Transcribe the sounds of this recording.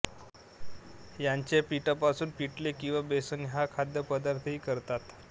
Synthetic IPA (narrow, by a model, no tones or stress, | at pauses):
jaɲt͡ɕepiʈəpasuːnpiʈlekĩw̃ʋabesuːnɦakʰad̪jəpəd̪aɾt̪ʰɦiːkəɾt̪at̪